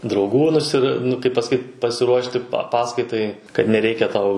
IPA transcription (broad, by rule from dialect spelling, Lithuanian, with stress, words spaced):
drɐʊˈɡuː nʊˈsʲɪr nʊ kɐɪp pɐsɐˈkʲiːt pɐsʲɪˈruɔʃʲtʲɪ pɐ ˈpɑːskɐɪtɐɪ kɐt nʲɛˈrʲɛɪkʲɛ ˈtɐʊ